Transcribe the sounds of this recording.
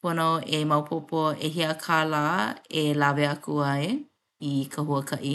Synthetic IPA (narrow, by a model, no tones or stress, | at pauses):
ponoemɐwpʰopoeɦiəkʰaːlaːelaveɐkuɐe | ikʰɐhuəkʰɐʔi